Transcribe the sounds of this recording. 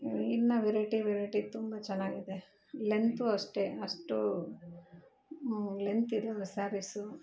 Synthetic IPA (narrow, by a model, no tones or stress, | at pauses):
iɾnɐʋeɾɐʈiʋeɾɐʈit̪umbɐt͡ʃɛnːaːɡid̪e | lent̪uɐʂʈeɐʂʈu | lent̪id̪usaːɾisu